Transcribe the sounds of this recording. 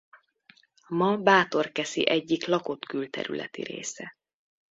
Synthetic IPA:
mɒbaːt̪o̞rkɛsḭʔɛɟːiklɒko̞t̪kylt̪ɛ̰ɾy̰lɛ̰t̪ḭɾḛːsɛ

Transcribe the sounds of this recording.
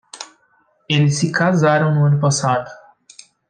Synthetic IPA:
elɪsːɪkazaɾɐ̃w̃nʊɐ̃nʊpasad̪ʊ

